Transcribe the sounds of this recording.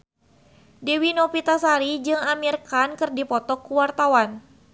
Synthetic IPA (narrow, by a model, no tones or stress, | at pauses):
diwinopit̪asaɾid͡ʒɨŋamirkankɨrdipɔt̪ɔkːuwart̪awan